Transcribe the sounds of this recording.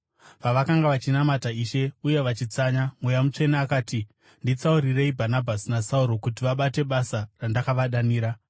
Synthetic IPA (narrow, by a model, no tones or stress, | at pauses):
paʋakaŋɡaʋat͡ʃinamataiʃe̞uje̞ʋat͡ʃit͡saɲamwejamut͡ʂe̞naːkaːti | ndit͡sauɾire̞ibʱanabʱasinasauɾo̞kutiʋaɓate̞ɓasarandakaʋaɗaniːɾa